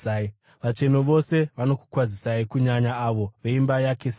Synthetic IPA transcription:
ai | ʋat͡ʂe̞noʋo̞se̞ʋano̞ku̥kwazisaikuɲaɲaːʋo̞ʋe̞imbajakes

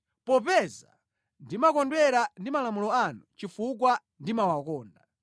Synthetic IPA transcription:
pɔpɛza | ndimakɔndwɛɾandimalamulɔanut͡ʃifuk̬wa | ndimawakɔːnda

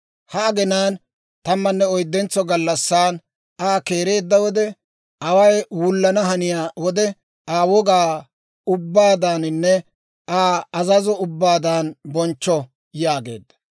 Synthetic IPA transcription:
hɐːɡɛnaːn | t̪ɐmːɐnːɛɔjd̪ːɛnt͡sːɔɡɐlːɐsːaːn | aːkeːɾe̞ːd̪ːɐwɔd̪ɛ | ɐwɐjwʊlːɐnɐɦɐnɪjaːwɔd̪ɛ | aːwɔɡaː | ʊbːaːd̪aːnɪnːɛ | ʔaːɐzɐzɔʊbːaːd̪aːnbɔnt͡ʃːɔ | jaːɡe̞̰ːd̪ːɐ̥

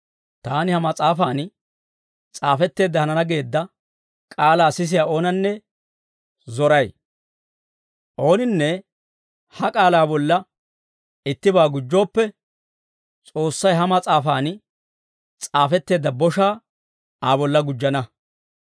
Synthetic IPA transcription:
t̪aːnɪhɐmɐt͡sʼaːfaːn | t͡sʼaːfɛt̪ːe̞ːd̪ːɐhɐnɐnɐɡe̞ːd̪ːɐ | kʼaːlaːsɪs̬ɪjaːo̞ːnɐnːɛ | zɔɾɐj | ʔo̞ːnɪnːɛ | hɐkʼaːlaːbɔlːɐ | ɪt̪ːɪbaːɡʊd͡ʒːo̞ːpːɛ | t͡sʼo̞ːsːɐjɦɐmɐt͡sʼaːfaːn | t͡sʼaːfɛt̪ːe̞ːd̪ːɐbɔʃaː | aːbɔlːɐɡʊd͡ʒːɐnɐ

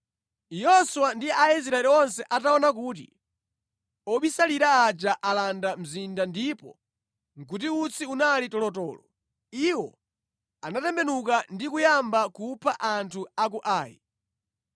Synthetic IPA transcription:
jɔsuwandiɛais̬ɾaɛliɔnsɛʔataɔnak̬uːt̬ḭ | ɔɓisaliɾaːd͡ʒaʔalandam̩zindandipɔ̰ | ŋ̩kut̬iut͡sʰiunalitɔlɔtɔːlɔ | iwɔ | anatɛmbɛnukandikujambakupʰaʔantʰuakuʔaːjḭ

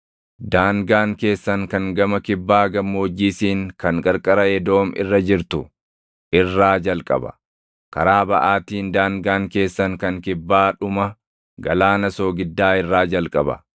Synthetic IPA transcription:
d̪aːŋɡaːŋke̞ːsːɐŋkɐŋɡɐmɐkɪbːaːɡɐmːo̞ːd͡ʒːiːsiːŋkɐŋkʼɐɾkʼɐɾɐjɛd̪o̞ːmɪ̰rːɐd͡ʒɪɾt̪ʊ | ʔɪrːaːd͡ʒɐlkʼɐ̰bɐ̥̰ | kɐɾaːbɐʔaːt̪iːnd̪aːŋɡaːŋke̞ːsːɐŋkɐŋkɪbːaːᶑʊmɐ | ɡɐlaːnɐso̞ːɡɪd̪ːaːɪrːaːd͡ʒɐlkʼɐbɐ̰

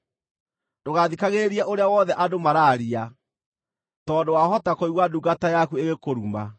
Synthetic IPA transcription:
doɣaðikaɣeɾiɛʔoɾeawɔðɛʔadomaɾaːɾia | tɔːndowaɦɔtakoiɣwaduːɡatajakueɣekoɾuːma

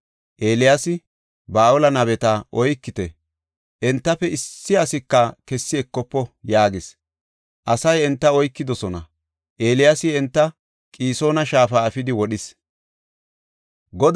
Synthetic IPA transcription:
ʔeːlɪjasɪ | baːʔɔlɐnɐβɛt̪aʔɔjkːɪt̪ɛ | ʔɛnt̪ːɐfɛɪsːɪɐsɪkːɐkɛsːɪɛkːɔpːɔjaːɡɪs | ʔɐsɐjɛnt̪ːɐɔjkːɪd̪ɔsɔnɐ̰ | ʔe̞ːlɪjasɪɛnt̪ːɐ | kʼiːso̞ːnɐʃaːfaːɐfɪd̪ɪwɔɗɪs | ɡɔd̪

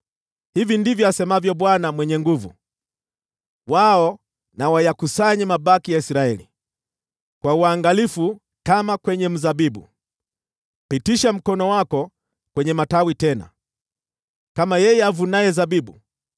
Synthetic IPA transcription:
hivindivjɔasɛmavjɔɓwanamwɛɲɛŋɡuvṵ | waɔ | nawajakusaɲimaɓakijaisɾaɛlḭ | kwauaŋɡalifu | kamakwɛɲɛm̩zabibṵ | pitiʃam̩kɔnɔwakɔ | kwɛɲɛmatawitɛna̰ | kamajɛjɛavunajɛzabibṵ

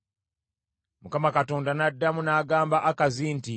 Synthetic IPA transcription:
mukamakato̞ːndanadːamunaːɡaːmbaʔakazinti

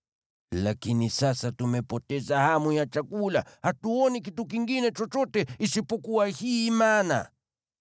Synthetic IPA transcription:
lakinisasatumɛpɔtɛzahamujat͡ʃakulahatuɔnik̬ituk̬iŋɡinɛt͡ʃɔt͡ʃɔtɛisipɔkuwahiːmana̰

